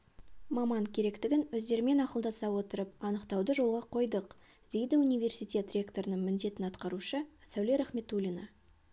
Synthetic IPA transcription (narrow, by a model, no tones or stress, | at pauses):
mɑmɑŋkʲʰe̞ɾe̞kt̪ɪɡʲɪnwɵzd̪e̞ɾɪme̞nɑqəlˠd̪ɑsɑwo̞t̪əɾəp̚ɑnəqt̪ɑwd̪əʒo̞lˠʁɑqʰo̞jd̪əq | d̪̥e̞jd̪ɪunijvʲe̞rsijt̪ʲe̞t̪rʲe̞kt̪o̞ɾənəɴmʏnd̪e̞t̪ɪnɑt̪qɑɾuʃəsæwleɾæχme̞t̪ulʲina